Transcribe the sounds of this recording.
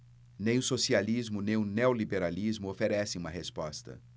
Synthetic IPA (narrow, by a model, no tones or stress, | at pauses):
nẽj̃ʊsosializmʊnẽj̃ʊneolibeɾalizmʊofeɾɛsẽũmɐɦespɔst̪ɐ̰